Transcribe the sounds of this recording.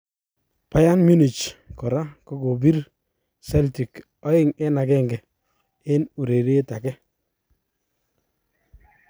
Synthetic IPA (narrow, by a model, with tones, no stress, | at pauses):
pa˦ja˦nmu˦ni˨t͡ʃkɔ˨ɾa˦kɔ˦ko˨bi˦ɾ | sɛ˦lti˨k | ɔ˦ɪ˦ŋɛ˦na˨kɛ˦˨ŋɡɛ˨ | ɪ˦nu˨ɾe˨ɾe˦ta˨kɛ˦